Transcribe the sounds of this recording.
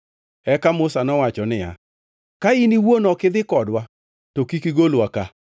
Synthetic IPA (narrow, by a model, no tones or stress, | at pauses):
ɛkamʊsanɔwat͡ʃɔnɪja̰ | kainiwonɔkɪd̪ɪkɔdwa | tokikiɡolwaka